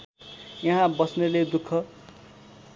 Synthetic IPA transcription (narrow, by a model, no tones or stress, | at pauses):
jʌɦãbʌsneled̪ukʰːʌ